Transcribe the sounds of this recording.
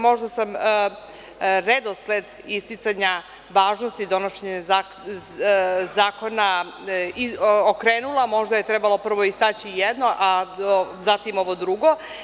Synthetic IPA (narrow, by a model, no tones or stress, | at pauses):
mo̞ʒd̪asam | ɾed̪osled̪ | ist̪it̪saɲa | ʋaːʒno̞st̪id̪o̞noʃeɲea | zaːko̞na | iokɾeːnulˠamo̞ʒd̪ajet̪ɾebalo̞pr̩ʋo̞ist̪aːt͡ɕijed̪no̞ʔa | zat̪imo̞ʋo̞d̪ɾuɡo̞